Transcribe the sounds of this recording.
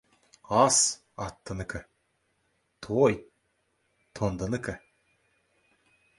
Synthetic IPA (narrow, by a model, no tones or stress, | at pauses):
ɑs | ɑt̪ːənəkə | t̪ʰoj | t̪ʰond̪ənəkə